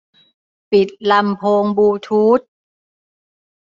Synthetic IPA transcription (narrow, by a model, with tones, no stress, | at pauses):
pi˨˩t̪̚la˧mpʰoː˧ŋbuː˧t̪ʰuː˦˥t̪̚